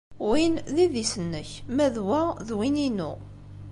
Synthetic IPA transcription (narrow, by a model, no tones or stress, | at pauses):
winðiðisənːəçmæðwæðwininṵ